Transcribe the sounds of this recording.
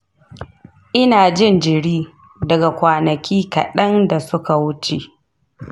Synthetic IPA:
ʔɪ˦naː˨d͡ʒɪ˦˨nd͡ʒɪ˨ɽiː˦ | dɐ˨ɡa˨kʷaː˨nɐ˨kʲʰiː˦kɐ̰˨ɗɐ˦nda˨sʊ˦ka˨wʊ˦t͡ʃe˨ʔ

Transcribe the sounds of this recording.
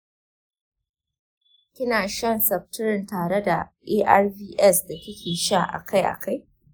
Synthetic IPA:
kʲɪ˦naː˨ʃɐ˦˨nsɐ˨b̚tʊ˦ɾɪ˨ntaː˨ɽe˦da˨ʔeː˦ʔa˦rbiː˦ʔɛ˦sda˨kʲɪ˦kʲʰeː˨ʃa˦˨ʔa̰˨kʰa˦jʔa̰˨ka˦˨j

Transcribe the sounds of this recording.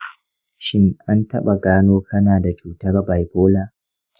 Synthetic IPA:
ʃɪ˦ŋʔa˦ntɐ˦ɓa˨ɡaː˦noː˦kʰɐ˦naː˨da˨t͡ʃuː˦tɐ˦rba˨jboː˦laː˨

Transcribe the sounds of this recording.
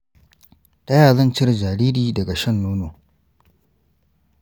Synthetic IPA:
ta˦jaː˨zɐ˦nt͡ʃɪ˦rd͡ʒaː˨ɾiː˦ɾiː˦dɐ˨ɡa˨ʃɐ˦˨nːoː˦noː˨

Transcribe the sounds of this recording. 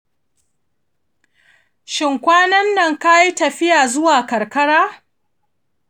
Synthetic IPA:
ʃɪ˨ŋkʷaː˦nɐ˦nːɐ˨ŋka˦ji˦tɐ˨ɸɪ˦jaː˨zʊ˦waː˨kɐ˨ɾkɐ˦ɽaː˦

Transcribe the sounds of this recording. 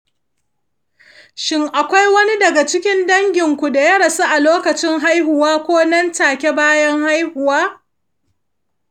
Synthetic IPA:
ʃɪ˦ŋʔa˨kʷa˦jwɐ˦ni˦dɐ˨ɡa˨t͡ʃɪ˦kʲɪ˦ndɐ˦ŋɡʲɪ˨ŋkʷu˨da˨jɐ˦ɽɐ˨su˦ʔa˨loː˦kɐ˨t͡ʃɪ˦ŋɦa˦jɦʊ˨waː˦kʷoː˦nɐ˦ntaː˨kʲe˦baː˦jɐ˦ŋha˦jhʊ˨waː˦

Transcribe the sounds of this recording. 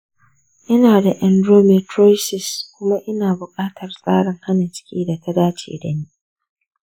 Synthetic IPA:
ʔɪ˦naː˨da˨ʔɛ˨ndɾoː˦mɛ˨tɾo˦jsɪ˨skʷʊ˦ma˦ʔɪ˦naː˨bʊ˨kʼaː˦tʰɐ˨rsʼaː˦ɽɪ˨ŋha˦na˨t͡ʃɪ̥˦kʲiː˦da˨tʰa˦daː˦t͡ʃḛ˨dɐ˨niː˦

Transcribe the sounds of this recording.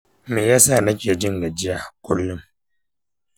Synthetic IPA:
meː˨ja˦saː˦˨na˦kʲe˨d͡ʒɪ˦ŋɡa˨d͡ʒɪ˦ja˨kʷʼʊ˦lːʊ˦m

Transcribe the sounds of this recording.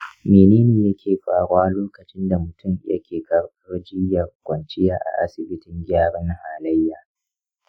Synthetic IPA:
meː˨neː˦neː˨jɐ˦kʲʰeː˨ɸaː˨ɽʊ˦waː˦loː˦kɐ˨t͡ʃɪ˦nda˨mʊ˨tʰʊ˦˨mɪ̰˦jɐ̰˦kʲeː˨kɐ˨ɽtʊ˦rd͡ʒɪ˦jɐ˨rkʷʼɐ˨nt͡ʃɪ˦jaː˦ʔa̰˨ʔa˦sɪ˨bɪ˦tɪ˦ŋɡʲaː˦ɽɔ˦n˦haː˨lɐ˦jːaː˨

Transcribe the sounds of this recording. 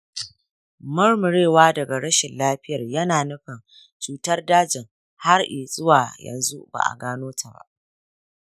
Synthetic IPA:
mɐ˦rmʊ˨ɽeː˦˨waː˦dɐ˨ɡa˨ɾɐ˦ʃɪ˨nlaː˦ɸɪ˦jɐ˨rjɐ˦naː˨nʊ˦ɸɪ˨n | t͡ʃuː˦tɐ˦rdaː˦d͡ʒɪ˨ŋ | ha˦rʔiː˨sʼʊ˦waː˨jɐ̰˨nzṵ˦ba̰ː˨ʔa̰˨ɡaː˦noː˦tʰa˨ba̰˦˨ʔ

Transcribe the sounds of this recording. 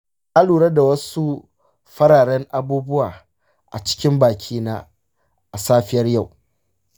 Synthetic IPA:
ʔa˦luː˨ɽɐ˦da˨wɐ˦su˦ | ɸɐ˦ɾaː˨ɽɐ˦ŋʔa˦buː˦bʊ˦waː˨ | ʔa̰˨t͡ʃɪ̥˦kʲɪ˦mbaː˨kʲʰiː˦naː˦ | ʔa˨saː˦ɸɪ˦jɐ˦rja˦˨w

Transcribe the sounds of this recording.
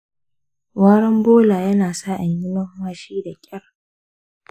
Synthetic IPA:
waː˦ɽɐ˦mboː˦laː˨jɐ˦naː˨saː˦ʔa˨ɲjɪ˦nɐ˦hwaː˦ʃiː˦da˨kʲʼɐ˦r

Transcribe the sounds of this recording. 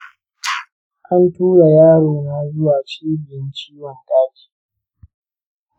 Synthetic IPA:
ʔa˦ntuː˦ɽa˨jaː˦ɽoː˨na˦zʊ˦waː˨t͡ʃiː˦bɪ˨jɪ˦nt͡ʃiː˦wɔ˨ntʼaː˦kʲi̥ː˨

